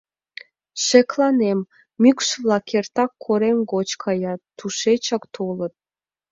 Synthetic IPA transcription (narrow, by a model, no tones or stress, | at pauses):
ʃeklɑnem | mykʃβlɑkert̪ɑkʰːoɾemɡot͡ɕkʰɑjɑt̪ːuʃet͡ɕɑkt̪ʰolə̆t̪̚